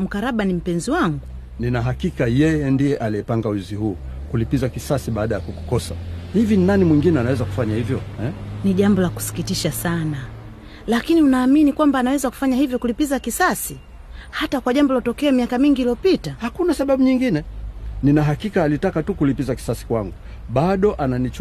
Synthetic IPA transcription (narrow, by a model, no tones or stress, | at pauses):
m̩kaɾaɓanim̩pɛnziwaŋɡu | ninaɦakikajɛjɛndijɛʔaliɛpaŋɡawizihuːkulipizakisasiɓaːɗajakuku̥kɔsa̰hivinanimwiŋɡinɛanawɛzaku̥faɲahivjɔhɛniʄambɔlaku̥si̥kitiʃasana | lakiniunaːminikwambaːnawɛzaku̥faɲahivjɔkulipizakisasi | hatakwaʄambɔlɔtɔkɛamiakamiŋɡiːliɔpitahakunasaɓaɓuɲiŋɡinɛninaɦakikaːlitakatukulipizaki̥sasi̥kwaŋɡu | ɓaɗɔʔananit͡ʃ